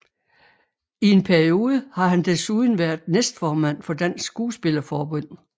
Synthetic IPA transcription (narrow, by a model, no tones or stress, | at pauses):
ie̝npʰæɐio̝ːð̞ˠəhɑ̈hænd̥e̝suð̞ˠn̩ʋæɐðˠnesd̥fɒːmæn̰fɒ̽d̥æn̰sːɡ̥uːsb̥e̝lɐfɒːb̥ɔ̽n̰